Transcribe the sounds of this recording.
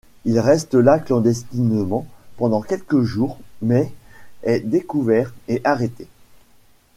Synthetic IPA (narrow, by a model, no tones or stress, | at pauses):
ilʁɛst̪əlaklɑ̃d̪ɛst̪inmɑ̃pɑ̃d̪ɑ̃kʲɛlkəʒuːʁmɛɛd̪ekuvɛʁeʔaʁet̪e